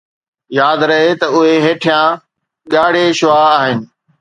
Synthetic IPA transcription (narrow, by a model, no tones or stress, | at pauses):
jaːd̪ɾɐɦet̪ɐʊɦeɦeːʈʰijã | ɠaːɽ̤eʃʊaːaːɦɪnɪ̆